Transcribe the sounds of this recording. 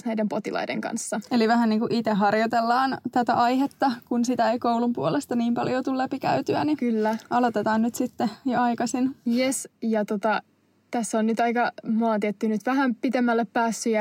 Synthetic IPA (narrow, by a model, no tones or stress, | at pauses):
næjdempot̪ilɑ̰jdḛŋkɑ̰nsːɑeliʋæhænniːŋkuʔit̪eɦɑrjot̪elːɑːnt̪æt̪æ̰ʔɑjhet̪ːɑkunsit̪æejkouwlumpuolest̪ɑniːmpɑljot̪ulːæpikæ̰yt̪yænikylːæʔɑlot̪et̪ɑːnnyt̪sit̪ːejoɑjkɑsinjesjɑt̪ot̪ɑ | t̪æsːonnyt̪ɑikɑmoɑːˑt̪iet̪ːynyt̪ʋæhæmpit̪emːælːeppæːsːyjɑ